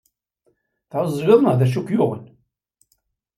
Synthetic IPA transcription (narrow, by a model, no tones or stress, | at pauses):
θʕəzˤːwɪðˤnəʁðæʃ̬ukjʊʁə̰n